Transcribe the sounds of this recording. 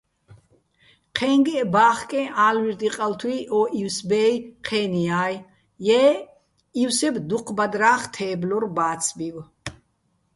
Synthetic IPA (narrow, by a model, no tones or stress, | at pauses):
qʰɛŋɡɛʔbaːχkʼɛ̃ʔaːlwiɾd̪iqʼalt̪ʰwiʔɔʔiwsbɛːjqʰɛːniaːj | jɛː | iwsɛbd̪uqʰbad̪ɾaːχt̪ʰɛːblɔrbaːt̪sʰʼbiw